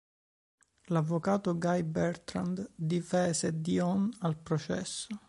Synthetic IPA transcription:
lavːokaːt̪oɡajbɛɾt̪ɾa̰nd̪d̪ifɛːzed̪iɔnalpɾot͡ʃɛ̰sːo

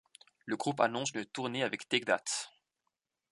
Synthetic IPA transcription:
ləɡʁupa̰nɔ̃synət̪uʁneavɛkt̪ɛɡd̪a̰t̪

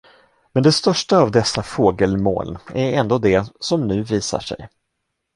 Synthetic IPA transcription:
mɛnd̪ɛst̪œʂʈaːvd̪ɛsːafoːɡəlmo̰ːlæɾɛnd̪oːd̪ɛsɔmnʉ̟ːviːsa̰ʂɛ̰j

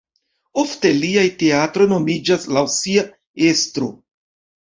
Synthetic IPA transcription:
ofte̞liajte̞atɾo̞no̞mid͡ʒaslawsia | e̞stɾo̞̰

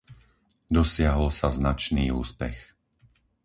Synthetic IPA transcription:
d̪ɔsɪaɦɔlsaznat͡ʃniːṵːspɛ̰x

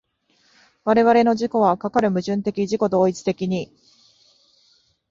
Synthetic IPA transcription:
βaɾe̞βaɾe̞no̞ʑiko̞β̞akakaɾɯ̟mɯ̟ʑɨ̃nt̪e̞kʲiʑiko̞d̪o̞ːit͡sɨ̥t̪e̞kʲiɲ̟i

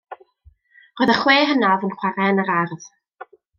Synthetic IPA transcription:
rojðəχweːɦənavənχwaɾɛnəɾarð̥

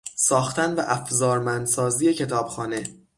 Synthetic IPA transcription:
sɒːxt̪ænvæʔæfzɒːɾmænd̪sɒːzije̞cʰe̞t̪ʰɒːb̥xɒːne̞

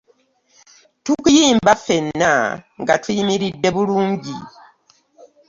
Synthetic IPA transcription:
tukujiːmbafe̞nːa̰ŋɡa̰tʰujimiɾidːe̞βuluːɲɟi

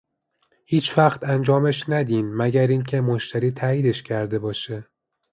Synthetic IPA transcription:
hiːt͡ʃʰvæxt̪ænd͡ʒɒːmeʃnæd̪iːnmæɟæɾiːncʰe̞moʃt̪ʰæɾiːt̪ʰæiːd̪e̞ʃcʰæɾd̪e̞bɒːʃe

